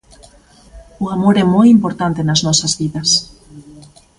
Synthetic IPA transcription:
uamoɾɛmojimpoɾt̪ant̪enaznɔsazβiðɐs

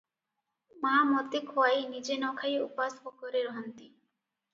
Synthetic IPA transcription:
mamɔt̪ekʰoajnid͡ʑenɔkʰajupaspɔkɔɾeɾɦɔnt̪i

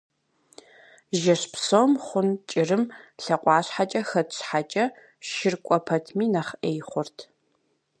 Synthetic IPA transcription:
ʒɐɕpsomχʷʊnt͡ʃʼɪrɨmɬɐqʷʼɑːɕħat͡ʃʼɐxɐtɕħat͡ʃʼɐ | ʃɪrkʷʼɔpʰɐtʰmiːnɐχʔeːjχʷʊrtʰ

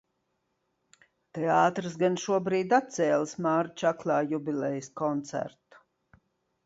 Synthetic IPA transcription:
t̪eaːt̪ɾɨs̬ɡanʃuɔbɾiːd̪at̪̚t̪sɛːlˠsmaːɾt͡ʃaklˠɑːjubʲilɛjskɔnt̪sæ̰ɾt̪u̥

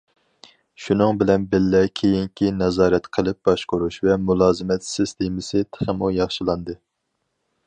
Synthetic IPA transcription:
ʃunɨŋbɪlɛnbɪlːɛkʲʰejiŋkʲʰinɛzɑːɾɛt̪qʰəlˠɪp̚bɑʃqoɾuʃvɛmulˠɑːzɪmɛt̪sɪst̪ʰemɪsɨt̪ʰə̥χəmujɑχʃilˠɑnd̪ɨ

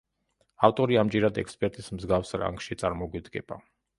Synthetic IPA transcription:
aft̪ʼɔɾiamd͡ʒiɾad̪ɛkspʼɛɾt̪ʼismzɡafsɾa̰ŋɡʃit̪sʼaɾmɔɡwid̪ɡɛb̥a

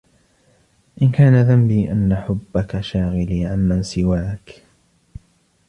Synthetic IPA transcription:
ʔɪnkaːnaðambiːʔanːaħʊbːakaʃaːɣɪliːʕamːansɪwaːk

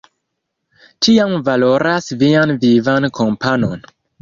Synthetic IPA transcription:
t͡ʃiamvalo̞ɾasvianvivankʰo̞mpʰano̞n

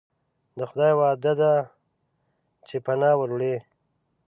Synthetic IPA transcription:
d̪əxʊd̪ɑjwɑd̪ad̪a | t͡ʃepanɑwəɾɽe

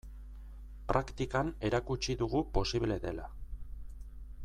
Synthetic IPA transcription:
pɾʔakt̪ikane̞ɾakut͡ʃiðuɣupo̞siβle̞ðe̞la̰

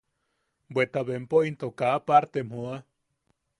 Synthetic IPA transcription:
bwet̪aβempoint̪okaːpaɾt̪emhoa

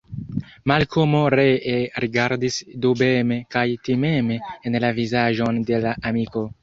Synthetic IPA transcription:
malkʰomo̞ɾeeɾiɡaɾdisdube̞mekajtime̞meenlavizaʒo̞nde̞laʔamiko̞

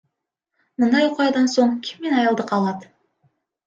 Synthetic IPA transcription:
mənd̪ɑjqʰojɑd̪ɑnsoɴkʲʰɪ̥mːenɑjɑlˠd̪əqʰɑlˠɑd̪ə

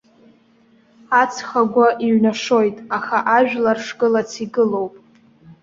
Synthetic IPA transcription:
at͡sʰχaɡʷaʔiɥnaʂo̞jtʼaχaʔaʒᶣlarʂkʼɨlat͡sʰiɡɨlo̞wpʼ

